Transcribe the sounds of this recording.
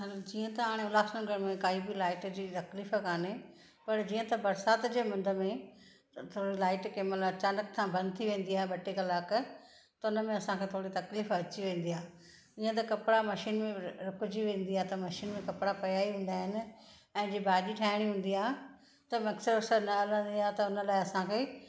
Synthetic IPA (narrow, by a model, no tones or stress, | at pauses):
ɦalad͡ʑiːə̃t̪ɐaːɽ̃eʊlaːsnəɡʱɐɽmẽkaːibilaːɪʈd͡ʑiːt̪ɐkliːfkaːne | pɐɾd͡ʑiːə̃t̪ɐbɐɾsaːt̪d͡ʑeːmɐ̃nd̪ʱə̆mẽ | t̪ʰoːɽilaːɪʈkeːmɐt̪ləbɐt͡ɕãːnɐkt̪ʰãbʱɐ̃nd̪̚t̪ʰiʋẽːn̆d̪iaːɦeɓɐʈekɐlaːk | t̪ɐʊnəmẽɐsãkʰeːt̪ʰoːɽit̪ɐkliːfɐt͡ɕiʋẽːn̆d̪ijaː | ĩːə̃t̪̬ɐkɐpɽamɐʃiːnmẽɾʊkʊd͡ʑiʋẽːn̆d̪iaːɦt̪ɐmɐʃiːnmẽkɐpɽapɐjaːiɦũːn̆d̪aːɦɪnɪ̆ | ɛ̃ːd͡ʑibaːɗiʈʰaːɦɪɽ̃iɦũːn̆d̪iaːɦ | t̪ɐmɐksəɾsəɾnɐɐlə̃nd̪iaːɦt̪ɐʊnəlaːɪɐsãkʰeː